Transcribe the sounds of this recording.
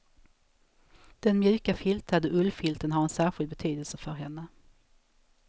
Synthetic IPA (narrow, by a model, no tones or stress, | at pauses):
d̪̥ɛnmjʉ̟ːkafɪlt̪ʰad̪əʔɵlːfɪlt̪ənɦaɾɛnsæːɾɧɪld̪̚bɛt̪ʰyːd̪əlsəfœɾɦɛnːə